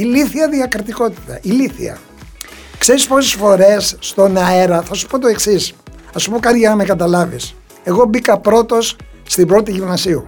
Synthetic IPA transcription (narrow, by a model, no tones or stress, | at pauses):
iliθiɐðiɐkɾit̪iko̞t̪i̥t̪ɐʔiliθḭɐ̰ | kse̞ɾispo̞sesfo̞ɾe̞sːt̪o̞nɐeɾɐθɐsu̥po̞t̪o̞e̞ksisɐsupo̞kɐɾʝɐnɐme̞kɐt̪̬ɐlɐvḭs | e̞ɣo̞bikɐpɾo̞t̪o̞sːt̪ibɾo̞t̪iʝivnɐsiu